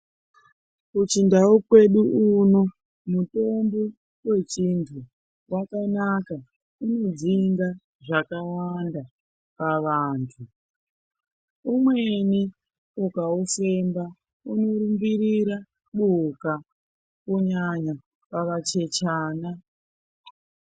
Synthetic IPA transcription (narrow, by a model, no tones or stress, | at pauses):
kut͡ʃindaukwe̞ɗuuno̞ | muto̞mbo | we̞t͡ʃintʰu | wakanaka | uno̞d͡ziŋɡa | ʐakawanda | paʋaːntʰu | umwe̞ni | ukaufe̞mba | uno̞ɾumbiɾiɾa | ɓuka | kuɲaɲa | paʋat͡ʃe̞t͡ʃaːna